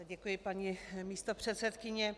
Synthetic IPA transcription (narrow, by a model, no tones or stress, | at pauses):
ɟɛkujɪpaɲimiːst̪opr̝̥ɛt̪sɛt̪kɪɲɛ